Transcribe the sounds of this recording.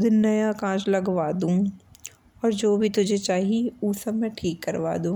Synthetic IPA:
d̪ʱnɐjakãːt͡ʃlɐɡʋaːd̪ũː | ɔːɾd͡ʒoːbʱit̪ʊd͡ʒʱet͡ʃaːɦiuːsɐmmẽʈʰiːkːɐɾʋa̰ːd̪ũː

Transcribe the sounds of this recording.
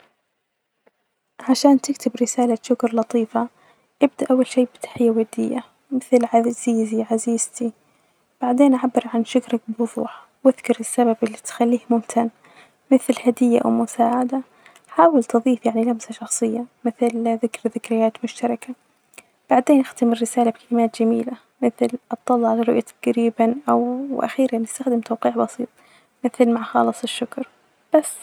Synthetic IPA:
ʕaʃaːnt̪ɪkt̪ʰɪbɾɪsaːlaʃʊkɾlɑt̪ˤiːfa | ʔɪb̚d̪aʔawːalʃiːbɪt̪ʰḁħɪjːawad̪ɪjːa | mɪθlʕaz̥iːziʕaziːz̥t̪i | b̥aʕd̪eːnʔaʕabːɪɾʕanʃʊkɾak̚bwʊðˤṵːħ | wɪðkɑɾɪsːababʔɪlːit̪xalːiːhmʊmt̪ʰan | mɪθlhad̪ɪjːa̰ʔwmʊsaːʕad̪a | ħaːwɪlt̪ɨðˤiːfjaʕnilabsaʃɑxsˤɨjːamɪθlðɪkɾðɪkɾɪjːaːt̪mʊʃt̪ɑɾˤɑka | b̥aʕd̪eːnʔɪxt̪amɪɾːɪsaːlabkalɪmaːt̪d͡ʒamiːla | mɪθlʔɨt̪ˤːɑlːʕalarːʊʔjat̪ʰaɡɾiːbanʔawʔa̰xiːɾanːɪst̪axd̪ɪmt̪awqiːʕbɑsˤiːt̪ˤ | mɪθlmaʕxɑ̰ːlɨsˤɪʃːʊkɾ | b̥asː

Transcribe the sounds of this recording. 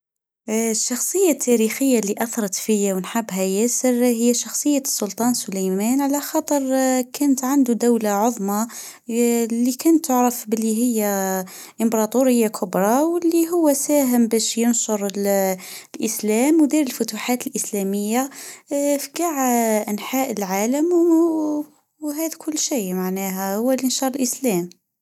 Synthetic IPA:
ʃːɑxsˤəjːat̪ʰːæɾixəjːaliʔɑθɑɾˤɑt̪fəjːawənħabːɦæjæsəɾhəjːæʃɑxsˤəjːasːʊlt̪ˤɑnsʊlæjmænʕalæxɑt̪ˤəɾˤkʰænət̪ʕand̪ud̪awlaʕoðˤmɑ | lːikænt̪ːʊʕɾəfbəlːiɦəjːæ | ʔəmbɾˤɑt̪ˤuɾəjːakʰʊbɾˤɑwəlːiɦʊwːæsæːɦəmbæʃjənʃʊɾˤl | lʔəslæmwd̪iɾəlfʊt̪uħaːt̪əlʔəslæməjːa | fiɡaʕʔænħaːʔəlʕaːləm | wɦæd̪kʰʊlːʃijmaʕnæɦæhʊwːælinʃɑɾˤəlʔəslæm

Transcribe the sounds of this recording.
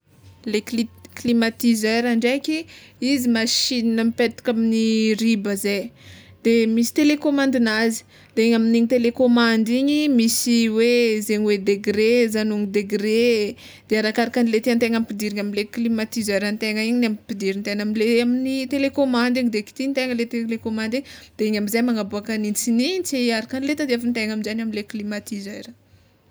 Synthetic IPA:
lekiklimat̪izeɾaɳɖ͡ʐejkiizimaʃininəmipet̪i̥kaminiɾibəze | d̪̥emisi̥t̪elekomãnd̪inazi̥ | d̪̥eiɲaminiɲit̪elekomand̪iɲimisiwezeɲwed̪eɡɾezanuŋid̪eɡɾed̪̥eaɾakaɾakanilet̪iant̪eŋamipid̪iɾiɲaminleklimat̪izajɾant̪eŋəiɲinamipid̪iɾint̪enaminleaminit̪elekomand̪iɲid̪eki̥t̪int̪eŋəlet̪elekomand̪iɲid̪̥eiɲaminzajmaŋabuakanint͡siniɲt͡seaɾakanilet̪ad̪eafant̪eŋaminzanaminleklimat̪izajɾa

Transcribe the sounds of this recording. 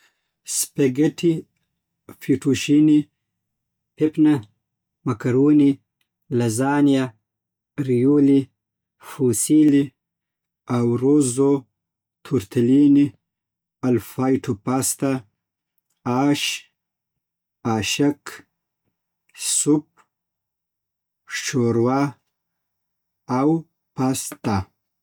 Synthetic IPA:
speɡeʈi | fiʈuʃini | pepnɐ | mɐkɐɾuːni | lɐzaːnija | ɾijuli | fusili | awɾozo | t̪ʰuɾt̪alini | alfajʈʰupast̪a | ɑːʃ | aʃak | sʊp̚ | ʂt͡ʃoɾwa | aw | past̪a

